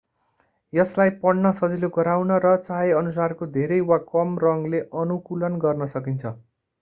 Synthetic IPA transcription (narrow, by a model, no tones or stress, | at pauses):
jʌslajpʌɽnʌsʌd͡ziloɡʌɾawnʌɾʌt͡saɦeʌnus̬arkod̪ʱeɾʌjwakʌmrʌŋleʔʌnukulʌnɡʌrnʌsʌkint͡sʰʌ